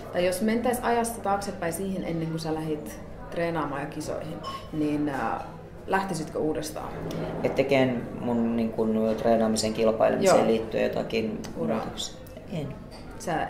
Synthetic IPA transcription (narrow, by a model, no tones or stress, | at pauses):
t̪ɑijjosment̪æisɑjɑst̪ɑt̪ɑːksepːæisiːhinʔenːeŋkusælæɦit̪ | t̪reːnɑːmɑːjɑkiso̰ihinniːn | læht̪isit̪køuːdest̪ɑ̰ːet̪t̪ekeːnmunniːŋkunt̪reːnɑːmiseŋkilpɑ̰ilṵmjoeliːt̪ːyḛjot̪ɑ̰kiːnurɑ̰t̪uks | en | sæ